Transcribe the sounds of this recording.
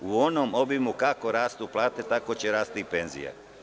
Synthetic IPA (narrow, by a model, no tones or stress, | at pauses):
uonoːmo̞bimukako̞ɾaːst̪uplˠaːt̪e̞t̪akot͡ɕeɾaːst̪ipe̞nzḭjḛ